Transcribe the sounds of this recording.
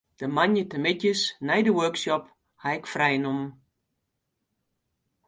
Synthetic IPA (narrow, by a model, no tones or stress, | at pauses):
d̥əmanjətəmɪtjəsnɛjdəwøksjɔp | hajkfrɛjnum